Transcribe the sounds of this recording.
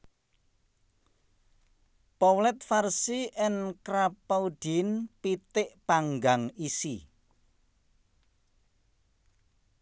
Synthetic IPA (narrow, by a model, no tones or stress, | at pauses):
pɔwlɛt̪̚farsiʔɪnkɾapaud̥inpit̪ɪʔpaŋɡaŋisi